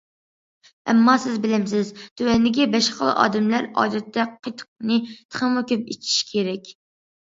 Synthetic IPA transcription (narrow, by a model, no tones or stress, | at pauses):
ɛ̰mːɑsɪzbɪlɪms̬ɪzd̪̥øwɛnd̪ɪɡʲɛbɛʃχəl̰ˠʔɑ̰ːd̪ɨmlæɾɑ̰ːd̪ɛt̪ːɛqʰət̪ʰq̚nɨt̪ʰə̥χəmukʲøpḭt͡ʃʰi̥ʃkʲʰeɾɛkʲ